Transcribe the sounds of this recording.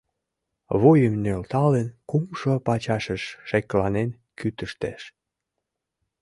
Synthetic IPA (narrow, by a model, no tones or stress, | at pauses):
βojəmnølt̪ɑlenkumʃopɑt͡ɕɑʃəʃːeklɑnen | kyt̪əʃt̪eʃ